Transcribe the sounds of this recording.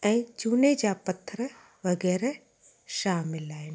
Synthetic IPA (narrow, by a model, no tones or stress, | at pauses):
ɛ̃ːt͡ʃuːned͡ʒaːpɐt̪ʰːɾə | ʋɐɡɛːɾe | ʃaːmɪlaːɪn